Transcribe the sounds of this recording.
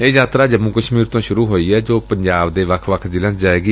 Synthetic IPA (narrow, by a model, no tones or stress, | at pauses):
eːjaːt̪ɾaːd͡ʒəmũːkəʃmiːɾt̪õːʃʊɾuːɦoːiːɛːd͡ʒoːpəɲd͡ʒaːbd̪eːʋəkʰʋəkʰd̪ɪlãːsd͡ʒaːeːɡiː